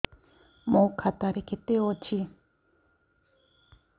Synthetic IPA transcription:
mokʰat̪aɾekʰet̪ewot͡ɕʰi

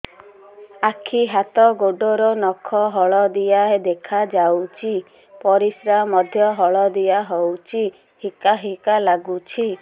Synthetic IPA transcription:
akʰiɦat̪ɔɡoɖɔɾɔnɔkʰɔɦɔɭɔd̪ijaɦed̪ekʰad͡ʒawt͡ʃʰi | pɔɾisɾamɔd̪ʱjɔɦɔɭɔd̪ijaɦɔwt͡ʃʰi | hikaɦikalaɡut͡ʃʰi

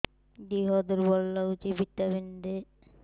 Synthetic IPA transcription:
d̪iɦɔd̪eɾbɔlːaut͡ʃibit̪ːabind̪e

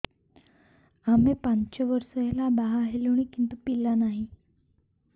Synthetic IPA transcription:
amepaɲt͡ɕəʋəɾsəjlabaɦaɦeluɽ̃ikint̪upilːanaɦi

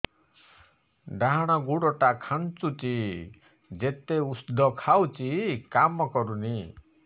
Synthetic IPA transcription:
ɖaɦaɽ̃ɔɡuɽɔʈakʰant͡ʃut͡ʃi | d͡ʒet̪eusd̪ʱɔkʰawt͡ʃikamɔkɔɾuni

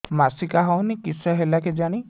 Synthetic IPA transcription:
masikaɦɔwnikisɔɦelaked͡ʒaɽ̃i

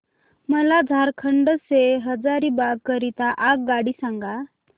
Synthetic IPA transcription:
məlad͡zʱaɾkʰəɳɖəseɦəd͡zaɾiːbad̪̚kəɾit̪aʔak̚ɡaɽiːsaŋɡa

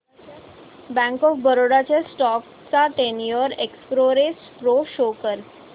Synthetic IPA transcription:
bæ̃ŋkɔfbəɾoɽat͡ɕesʈɔk | t͡saʈenijəɾekspɾoɾespɾoʃokəɾ

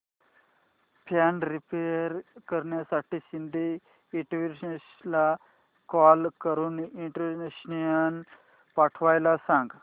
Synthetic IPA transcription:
pʰanɾipeɾkəɾɳjasaʈiːsind̪ʱiː | ʈʋisla | kɔlkəɾuːniɳʈəɾneɕnijən | paʈʰʋajlasãŋɡ

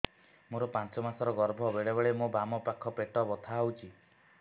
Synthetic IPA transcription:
moɾɔpant͡ʃɔmasɔɾɔɡɔɾbʱɔbeɭebeɭemobamɔpakʰːɔpeʈɔbɔt̪ʰawt͡ʃʰi

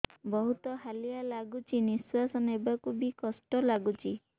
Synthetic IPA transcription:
bɔɦut̪ɔɦalijalaɡut͡ʃʰiniswasɔnebakubikɔsʈɔlaɡut͡ʃʰi

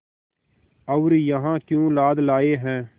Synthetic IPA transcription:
əʊɾjəɦãːkjũːlaːd̪laːeɦɛ̃ː

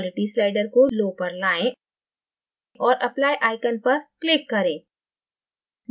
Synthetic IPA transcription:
lɪʈislaːɪɖəɾkoloːpɐɾlaːẽ | ʔɔːɾʔɐplaːjʔaːɪkənpɐɾklɪkːɐɾẽː

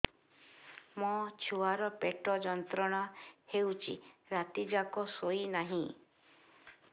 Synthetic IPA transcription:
mɔt͡ʃʰuaɾɔpeʈɔd͡ʒɔnt̪ɾɔɽ̃ɔhewt͡ʃʰḭɾat̪id͡ʒakɔsoinaɦĩ

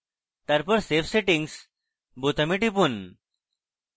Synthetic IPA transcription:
t̪aɾpəɾsefseʈiŋɡs | but̪əmiʈipun

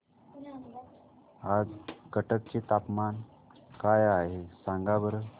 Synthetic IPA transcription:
ad͡zkəʈək̚t͡ɕet̪apman | kajaɦesãŋɡabəɾə

